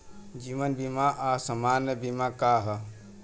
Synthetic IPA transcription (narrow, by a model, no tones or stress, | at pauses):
d͡ʒiʋənbimaʔasəmanjəbimakaɦə